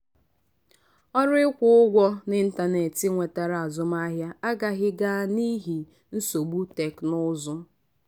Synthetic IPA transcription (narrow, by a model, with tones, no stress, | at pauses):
ɔ˦ɾɪ˦kʷʊ˦ʊ˦ɡʷɔ˦nɪ˦n̩˦ta˨ne˨tɪ˦ŋʷe˨ta˨ɾa˨a˨zʊ˦m˦a˦ɦja˦a˦ɡa˨ɣɪ˦ɡa˦ni˦ɦi˨ | n̩˦so˨ɡ͡bu˦te˨knʊ˦zʊ˦